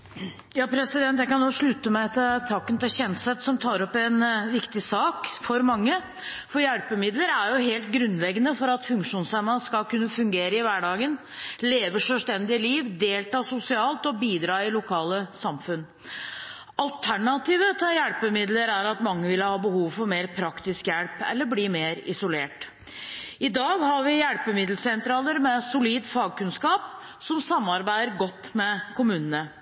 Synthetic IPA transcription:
jɑːpʰɾɛsɪd̪ɛnt̪jæɪkɑnːoːʂɭʉt̪əmæɪt̪ʰɪt̪ʰɑːkənt̪ɪlçɛnsɛt̪sɔmt̪ʰɑːɾɔpːɛnʋɪkt̪ɪsɑːkfɔɾmɑŋːə | fɔjæɽpəmɪd̪ləɾæɾjʊɦeːlt̪̚ɡɾʉnːlɛɡənəfɔɾɑt̪fʉŋkʂuːnsæmːəskɑlkʉnːəfʉŋɡeːɾəɪʋæɖɑːɡən | leːʋəʂœlst̪ɛnd̪ɪliːʋd̪eːlt̪ɑːsʊsɪɑːlt̪ɔbiːd̪ɾɑːɪlʊkʰɑːləsɑmfʉn | ɑlt̪ʰæɳɑt̪iːʋət̪ʰɪljæɽpəmɪd̪ləɾæɾɑt̪mɑŋːəʋɪlːəhɑːbəhuːʋfɔɾmeːɾpʰɾɑkt̪ɪskjɛɽpɛ̰lːəbliːmeːɾɪ̰sʊleːʈ | ɪd̪ɑːɡhɑɾʋɪjæɽpəmɪd̪lsɛnt̪ɾɑːləɾmɛsʊliːd̪fɑːɡ̚kʉnskɑːp | sɔmsɑmːɑɾbæɪd̪əɾɡɔt̪ːmɛkʰʊmʉːnənə

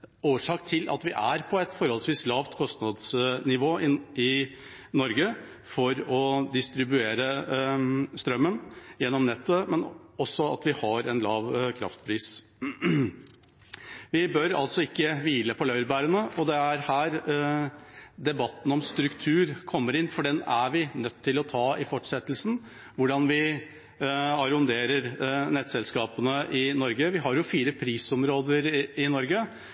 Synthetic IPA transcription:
oːʂɑːkt̪ʰɪlʔɑ̰t̪ʋɪʔæ̰ɾpʰɔɛt̪fɔɾhɔlsʋiːslɑːʋt̪kʰɔst̪nɑd̪snɪʋoːɪɪ | nɔɾɡə | fɔɾɔd̪ɪst̪ɾɪbʉeːɾə | st̪ɾœmːənjɛnːɔmnɛt̪ːəmɛnɔsːɔɑ̰t̪ʋɪhɑɾɛnlɑːʋkʰɾɑ̰ft̪pʰɾiːs | ʋɪbœɾɑ̰lsɔɪkːəʋiːləpʰɔlœʏɾbæːɾənəɔd̪ɛæɾhæːɾ | d̪ɛbɑt̪ːn̩ɔmst̪ɾʉkt̪ʰʉːɾkʰɔmːəɾɪnːfɔɖɛnæɾʋɪnœt̪ʰːɪlɔt̪ʰɑːɪfɔʈʂɛt̪ːəlsn̩ | ʋʊɖɑnʋɪ | ɑɾʊnd̪eːɾəɾnɛːt̪sɛlskɑːpənəʔɪnɔɾɡəʋɪɦɑɾjʊfiːɾəpʰɾiːsɔmɾoːd̪əɾɪnɔɾɡə

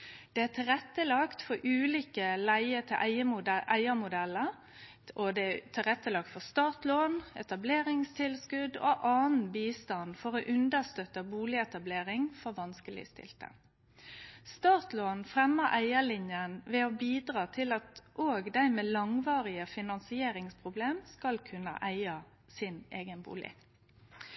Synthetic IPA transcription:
d̪̥ɛæt̪ʰɪlʁɛt̪ːəlɑkt̪fɔɾʔʉːliːkəlæɪət̪ʰɪlʔæɪəmʊʔæɪəmʊd̪ɛlːəɾ | ʔɔd̪ɛt̪ʰɪʁɛt̪ːəlɑk̚t̪fɔst̪ɑːt̪loːnɛt̪ɑbleːɾɪŋst̪ʰɪlskʉd̪o̰ʔɑːn̩biːst̪ɑnfɔɾoʔʉnd̪əst̪œt̪əbuːlɪɛt̪ɑbleːɾɪŋfɔɾʋɑnskəlɪ̰st̪ɪ̰lt̪ə̰ | st̪ɑːt̪loːnfʁɛmːəɾʔæɪəlɪnjənʋɛɔbiːd̪ɾɑːt̪ʰɪlɑt̪ʔoːɡd̪æɪmeːlɑŋʋɑːʁɪəfɪnɑnsɪeːɾɪŋspʰʁʊbleːmskɑlkʰʉnːə̰ʔæɪɑ | sɪneːɡənbṵːlɪ̰

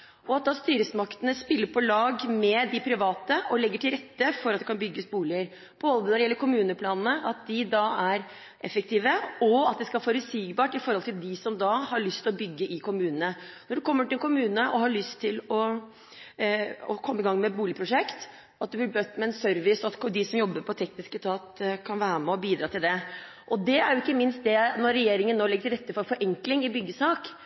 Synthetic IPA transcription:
ɔɑt̪̚d̪ɑːst̪yːɾəsmɑkt̪ənəspɪlːəɾpʰɔlɑːɡmɛd̪ɪpʰɾɪʋɑːt̪əʔɔlɛɡːəʈʰɪlɾɛt̪ːəfɔɾɑt̪̚d̪ɛkʰɑnbʏɡːəsbuːlɪəɾ | b̥oːd̪ənɔɾɛjɛlːəɾkʊmʉːnəpʰlɑːnnəʔɑt̪̚d̪ɪd̪ɑæɾ | ʔɛfːək̚t̪iːʋəɔɑt̪̚d̪ɛskɑfoːɾəsiːɡbɑːʈɪfɔɾhɔlt̪ʰɪld̪ɪsɔmd̪ɑhɑɭʏst̪ʰɪlɔbʏɡːəʔɪkʰʊmʉːnənənɔɖʉkʰɔmːəʈɪlɛnkʰʊmʉːnəʔɔhɑɭʏst̪ʰːɪlɔ | ɔ̰kʰɔmːəɪɡɑŋːmɛbuːlɪəpʰɾʊʂɛkt̪ | ɑt̪̚d̪ʉblɪbœt̪ːmɛɛnsœɾʋɪsɔɑt̪kd̪ɪsɔmjɔbːəɾpʰɔt̪ʰɛknɪskəst̪ʰɑːt̪kʰɑnʋæːɾəmɛɔbiːd̪ɾɑːt̪ʰɪld̪ɛ | ʔɔd̪ɛæɾjʊɪkːəmɪnst̪̚d̪ɛnɔɾːɛjeːɾɪŋənːoːlɪɡːəsɾɛt̪ːəfɔɾfɔɾʔɛŋklɪŋɪbʏɡːəsɑːk

